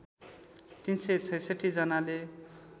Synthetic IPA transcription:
t̪inset͡sʰʌjsʌʈʰid͡zʌnale

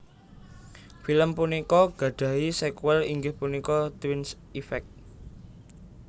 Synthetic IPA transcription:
filəmpunikɔɡ̥ä̤ɖ̪̥ä̤isekuwɛliŋɡɪhpunikɔt̪wins | ifɛk̚t̪̚

